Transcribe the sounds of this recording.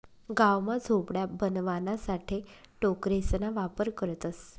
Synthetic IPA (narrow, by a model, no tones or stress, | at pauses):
ɡawmad͡zʱobɽjabənʋanasaʈʰe | ʈokɾesnaʋapəɾkəɾt̪əs